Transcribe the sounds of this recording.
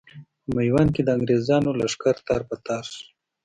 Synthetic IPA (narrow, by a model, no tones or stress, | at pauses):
pəmajwanked̪əaŋɡɾezɑːnolaʂkaɾt̪ɑːɾpat̪ɑːɾʂ